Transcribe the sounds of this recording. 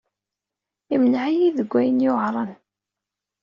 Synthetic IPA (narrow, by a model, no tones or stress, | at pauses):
imnəʕijiðəɡʷːæjənjoʁɾˤən